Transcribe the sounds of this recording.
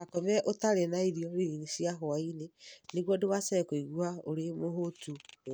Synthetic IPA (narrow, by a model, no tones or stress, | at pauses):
akɔmɛʔotaɾenaiɾiɔɾeɾinisjaɦoaineneɣwɔdewasɛɾɛkoiɣwaoɾemoɦotu